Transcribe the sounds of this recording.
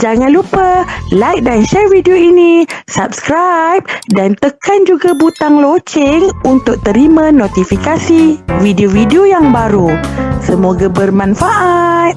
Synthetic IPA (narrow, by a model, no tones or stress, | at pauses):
d͡ʒaŋãnlupəlajk̚danʃɛrvidioinisap̚skɾajp̚dant̪əkand͡ʒuɡabut̪aŋlot͡ʃɪŋunt̪ʊk̚t̪əɾimãnot̪ifikasividiovidiojaŋbaɾusəmoɡabərmãnfaʔat̪̚